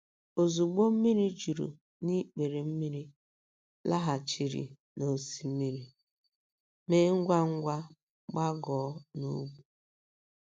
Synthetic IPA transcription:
o˨zu˨ɡ͡bo˦m̩˦mi˦ɾi˦d͡ʒu˨ɾṵ˨ | ni˦k͡pe˨ɾe˨m̩˦mi˦ɾi˦ | la˦ɦa˨t͡ʃi˨ɾḭ˨ | no˨si˨m̩˦mi˦ɾi˨ | me˦ŋ̩˦ɡʷa˦ŋ̩˦ɡʷa˦ | ɡ͡ba˦ɡɔ˨˦nṵ˦bu˨

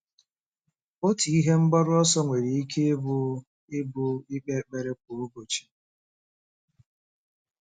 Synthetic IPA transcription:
o˦ti˨i˦ɦe˦ŋ͡m̩˦ɡ͡bɔ˦ɾʊ˦ɔ˦sɔ˦ŋʷe˨ɾe˨i˦kʰe˦e˦bʊ˦ | ɪ˦bʊ˦ɪ˦k͡pe˦˨k͡pe˨ɾe˦k̚o˨o˦bo˨t͡ʃi̥˨

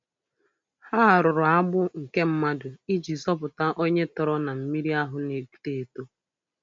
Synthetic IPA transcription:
ha˦a˨ɾʊ˨ɾʊ˨a˦bʊ˦ŋ̩˨ke˦m̩˦ma˦dʊ˨i˦d͡ʒi˨zɔ˦pʊ˨ta˦ʔo˦ɲe˦tɔ˨ɾɔ˦na˨m̩˨mi˦ɾi˦a˦ɦʊ˨ne˨ku̥˨te˨to˦

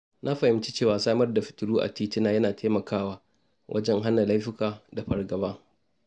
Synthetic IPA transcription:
nʔa˦ɸɐ˨hɪ˨˦mt͡ʃi˦t͡ʃeː˦˨waː˨saː˦mɐ˦rda˨ɸɪ̥˨tʊ˨ɽuː˦ʔa̰˨tiː˦tɪ˦naː˦jɐ˦naː˨tʰeː˦mɐ˨kʰaː˦˨waː˦ | wʔɐ̰˦d͡ʒɛ˦ŋɦa˦na˨la˦jɸɪ˦kaː˨da˨ɸɐ˨rɡɐ˨baː˦

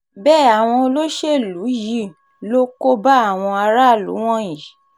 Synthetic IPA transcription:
bɛː˦˨a˨w̃ɔ̃˧lo˦ʃe˦˨lu˨˦ji˦˨ | lo˦ko˦ba˦a˦˨w̃ɔ̃˧a˧ɾa˦˨lṵ˨˦w̃ɔ̃˦jĩ˨

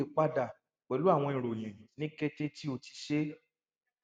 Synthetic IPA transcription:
e˨k͡pa˦da˦˨ | k͡pɛ˨lu˦a˦˨w̃ɔ̃˧ĩ˨ɾo˨j̃ĩ˨nĩ˦ke˦te˦ti˦o˧ti̥˨ʃe˦

